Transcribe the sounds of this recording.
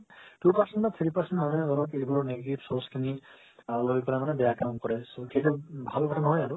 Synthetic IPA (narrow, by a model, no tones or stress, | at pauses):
tupasɛntat̪ʰiɹipaɹsɛntmanɛɔɾɔkejbɔɔneɡeʈipsɔskʰini | loipɔlamanɛdɛjakamkɔɹɛsokʰetubʱalkɔtʰanɦɔjaɹu